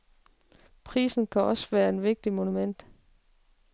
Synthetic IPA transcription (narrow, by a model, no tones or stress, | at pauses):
pʰʁḭːsn̩kʰæʔɒ̽sʋæːɐe̝nʋe̝ɡ̥̚d̥imo̝numen̰d̥